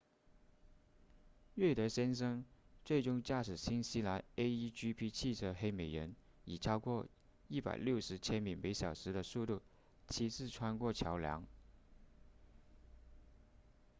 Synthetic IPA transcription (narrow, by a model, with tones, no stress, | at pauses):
ɥɛ˥˩t̪ɤ˧˥ɕjɛ˥nʂ̬ɤ˥ŋt͡swe˥˩ɪʈ͡ʂʊ˥ŋt͡ɕja˥˩ʂɻ̩˨˩ɕi˥nɕi˥la˧˥ne˥ɪi˥t͡ɕy˥pʰi˥t͡ɕʰi˥˧t͡sʰɤ˥xe˥ɪme˨˩ɪɻə˧˥n | i˨˩ʈ͡ʂʰɑ˥ʊkwɔ˥˧ | i˥˩pa̰˨˩ɪljo˥˩ʊʂɻ̩˧˥t͡ɕʰjɛ˥nmi˨˩ŋme˧˥ɪɕjɑ˨˩ʊʂɻ̩˧˥d̪ə˧su˥˧t̪u˥˩ | t͡ɕʰi˧˥t͡sʰɹ̩˥˩ʈ͡ʂʰwa˥nkwɔ˥˩t͡ɕʰjɑ˧˥ʊljɑ̰˧˥ŋ